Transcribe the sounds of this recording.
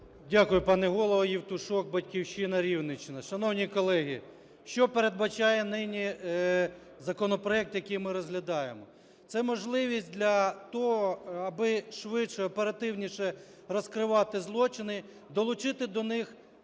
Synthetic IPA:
dʲakʊjʊpɑnɛɦɔlˠɔʋɐjiwt̪ʊʃɔk̚bɐtʲkʲiwʃɪnɐɾʲiwnɪt͡ʃɪnɐʃɐnɔwnʲikɔlˠɛɦʲḭ | ʃt͡ʃɔpeɾed̪̚bɐt͡ʃɑjɛnɪnʲi | zɐkɔnɔpɾɔɛk̚t̪jɐkejmɪɾɔzɦlʲɐd̪ɑjemɔ | t̪sɛmɔʒlˠɪʋʲisʲtʲd̪ʲlʲɐt̪ɔɦɔɐbɪʃʋɪʃɛɔpeɾɐt̪ɪwnʲiʃɛ | rɔskɾɪʋɑt̪ɪzlˠɔt͡ʃɪnɪ | d̪ɔlˠʊt͡ʃɪt̪ɪd̪ɔnɪx

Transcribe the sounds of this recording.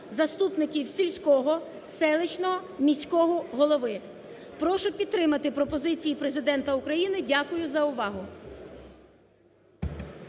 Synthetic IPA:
zɐst̪upnɪkʲiwsʲilʲsʲkɔɦɔ | sɛlˠɪt͡ʃnɔmʲisʲkɔɦɔɦɔlˠɔʋɪ | pɾɔʃʊpʲid̪̚t̪ːɾɪmɐt̪ɪpɾɔpɔzɪt͡sʲijipɾezɪd̪ɛnt̪ɐʊkɾɐjinɪdʲakʊjʊzɐʊʋɑɦʊ

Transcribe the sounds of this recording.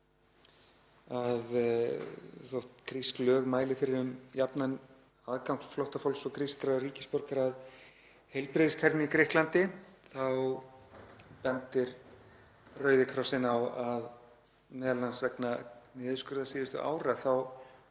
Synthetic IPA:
að | θɔht̪kɾisklœːɣmaːjlɪfɪɾɪɾʏmjapnan | aðkawŋ̥sflɔwht̪afowlsɔɣkɾiskɾariːcɪspɔɾkaɾað | hejlpɾɪðɪskʰɛɾnɪikɾɪhklant̪ɪθaw | pɛnt̪ɪɾ | rœːɥðɪkʰɾɔwsɪnawað | mɛːðalansvɛknamɪːðʏskʏɾðasiːvɪst̪ʏ̰ʔa̰ːwɾaθaw

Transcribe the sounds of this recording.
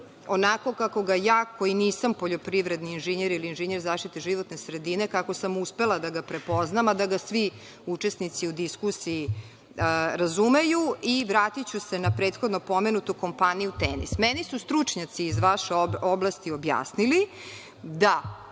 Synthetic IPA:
o̞nako̞kako̞ɡajaːko̞iniːsampoʎo̞pɾiʋɾe̞d̪niːnʒeɲeɾiliːnʒeɲeɾzaːʃt̪it̪eʒiʋot̪ne̞sɾe̞d̪ine̞kako̞samuspe̞lˠad̪aɡapɾe̞po̞znamad̪aɡasʋi | ut͡ʃe̞snit̪siud̪iskusiː | ɾazumejuiʋɾaːt̪it͡ɕuse̞napɾe̞ːt̪xo̞d̪no̞po̞me̞nut̪uko̞mpanijut̪enḭsmenisust̪ɾut͡ʂɲat̪siːzʋaʃeooblast̪io̞bja̰ːsnili | d̪a

